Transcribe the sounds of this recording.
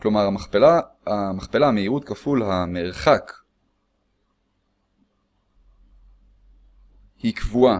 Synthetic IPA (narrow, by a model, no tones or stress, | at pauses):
klo̞maʁaapelamaχpelameiʁut̪kafulhameʁχak | hikvua